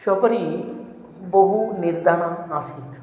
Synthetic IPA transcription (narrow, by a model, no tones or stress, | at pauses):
ʃɔpɔɾi | boɦuniɾd̪ʱaɽ̃aasʰit̪ʰ